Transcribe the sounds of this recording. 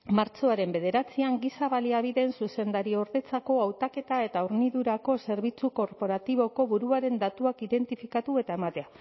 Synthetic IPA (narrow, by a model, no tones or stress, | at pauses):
maɾt͡ʃo̞aɾe̞mbe̞ð̞e̞ɾat͡siaŋɡisaβaliaβ̞iðe̞nsuse̞nd̪aɾio̞ɾðe̞t͡sako̞awt̪ake̞t̪ae̞t̪auɾniðuɾako̞se̞ɾβ̞it͡suko̞ɾpo̞ɾat̪iβ̞o̞ko̞βuɾuaɾe̞nd̪at̪uakiðe̞nt̪ifikat̪ue̞t̪ae̞mat̪e̞a